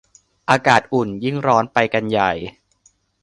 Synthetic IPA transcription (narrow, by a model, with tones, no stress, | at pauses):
ʔaː˧kaː˨˩t̪̚ʔu˨˩nji˥˩ŋɾɔː˦˥npa˧jka˧nja˨˩j